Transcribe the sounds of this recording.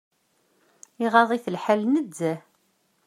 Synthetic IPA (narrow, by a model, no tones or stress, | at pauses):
iʁɑðˤiθəlħalnəd̪ːæ